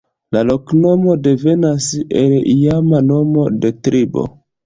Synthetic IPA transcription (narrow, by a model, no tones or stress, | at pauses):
lalo̞kno̞mo̞de̞ve̞naselijamano̞mo̞de̞tɾʔibo̞̰